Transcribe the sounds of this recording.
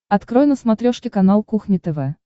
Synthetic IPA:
ɐt̪kɾojnəsmɐt̪ɾʲoʂkʲɪkɐnalˠkuxnʲɪt̪ɛvɛ

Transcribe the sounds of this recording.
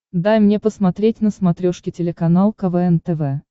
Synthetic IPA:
d̪ajmnʲe̞pəsmɐt̪ɾʲetʲnəsmɐt̪ɾʲoʂkʲɪtʲɪlʲɪkɐnalˠkɐvɛɛnt̪ɛvɛ

